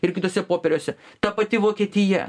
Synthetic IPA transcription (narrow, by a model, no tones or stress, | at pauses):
ɪrkʲɪt̪oːsʲɛpoːpʲɛɾʲoːsʲɛt̪ɐpɐt̪ʲɪʋoːkʲieːt̪ʲɪjɛ̰